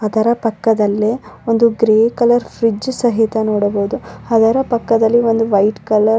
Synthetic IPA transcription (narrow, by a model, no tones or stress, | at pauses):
ɐd̪ɐɾɐpɐkːɐd̪ɐlːeo̞nd̪uɡɾeːkɐlɐɾfɾid͡ʒsɐɦit̪ɐnoːɽɐboːd̪uɐd̪ɐɾɐpɐkːɐd̪ɐlːio̞nd̪uʋɐjʈkɐlɐɾ